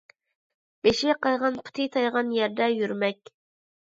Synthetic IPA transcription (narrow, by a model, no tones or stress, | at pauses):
b̥eʃɪqʰɑjʁɑnpʰu̥t̪ʰɪt̪ʰɑjʁɑnjɛɾd̪ɛjyɾmɛkʲ